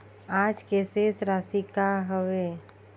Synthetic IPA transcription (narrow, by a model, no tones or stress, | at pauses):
aːd͡ʒkeːsesɾaːsikaɦəwe